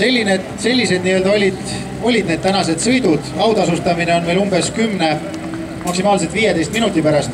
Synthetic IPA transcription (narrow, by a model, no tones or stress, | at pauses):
se̞lʲːined̪̥se̞lʲːise̞d̪̚niø̞ld̪ɑo̞lʲid̪̥ | o̞lʲid̪ned̪̥t̪ænɑse̞d̪̥sɤ̞jd̪̥ud̪̥ɑwd̪ɑsust̪ɑmine̞o̞nve̞ːlumbe̞skymːne̞ | mɑksimɑːls̬et̪viːjet̪e̞jst̪̚minut̪ːˑipæɾɑst̪